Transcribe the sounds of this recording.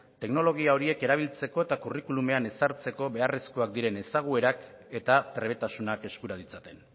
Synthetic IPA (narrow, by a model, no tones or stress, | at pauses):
t̪e̞kno̞lo̞ɣ̞iao̞ɾie̞ke̞ɾaβ̞ilt͡se̞ko̞e̞t̪akurikulume̞ane̞saɾt͡se̞ko̞βe̞are̞skoak̚d̪iɾe̞ne̞saɣ̞ue̞ɾak | e̞t̪at̪ɾe̞βe̞t̪asunake̞skuɾað̞it͡sat̪e̞n